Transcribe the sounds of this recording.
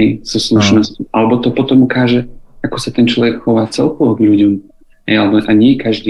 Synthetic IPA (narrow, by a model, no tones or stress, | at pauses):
jz̥ɔsluʃnɔscɔʔalɛbɔt̪ɔpɔt̪ɔmukaːʒɛakɔsat̪ɛnt͡ʃlɔʋɛkxɔʋaːt͡sɛlkɔʋɔɡʎuɟɔm | ɦɛ̰jalɛbɔʔaɲɪɛkaʒd̪iː